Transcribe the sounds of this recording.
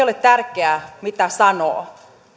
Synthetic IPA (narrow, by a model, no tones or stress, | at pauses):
olett̪ærkeæmit̪æsɑno̰ː